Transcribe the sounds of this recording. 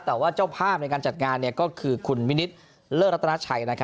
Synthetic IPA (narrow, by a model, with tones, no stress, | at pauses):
t̪ɛː˨˩waː˥˩t͡ɕaː˥˩wpʰaː˥˩p̚na˧jkaː˧nt͡ɕa˨˩t̪̚ŋaː˧nːi˥˩ɐkɔː˥˩kʰɯː˧kʰu˧nmi˦˥ni˦˥t̪̚ | lɤː˥˩ɾa˦˥t̪ʰːna˥t͡ɕʰa˨˩jna˦˥kʰa˦